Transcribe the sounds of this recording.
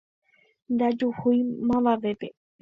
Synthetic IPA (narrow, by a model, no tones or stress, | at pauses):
nd̪ad͡ʒuhujmãβaʋepe